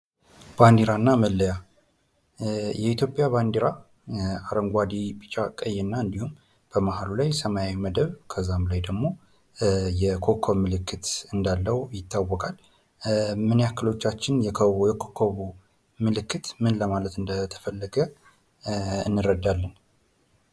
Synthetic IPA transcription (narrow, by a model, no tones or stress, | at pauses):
b̥and̪iɾanːaməlːəja | jɛit̪jo̞pʼjaβand̪iɾa | aɾəŋɡʷad̪ipit͡ʃʼakʼəjːɛnːaɨnd̪ihum | b̥əmahalulajsəmajawiməd̪əβkʰəzamlajd̪əɡmo̞ | jɛkʰokʰːoβmɨlɨkʰːɨt̪ɨnd̪alːəwjɪt̪ːawːɔkʼal | mɨnijakʰːəlo̞t͡ʃːat͡ʃːɪnjɛjɛkʰokʰːoβu | mɨlɨkːɨt̪mɨnləmalət̪ɨnd̪ət̪ʰə̥fəlːəɡə | ɨ̰nːɨɾəd̪alːən